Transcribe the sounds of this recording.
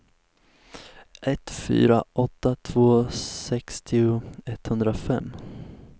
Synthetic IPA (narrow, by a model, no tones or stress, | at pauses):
ʔɛt̪fy̰ːɾaʔɔt̪ːat̪ʰv̥oːsɛkst̪ʰɪʊɛt̪hɵnd̪ɾafɛmː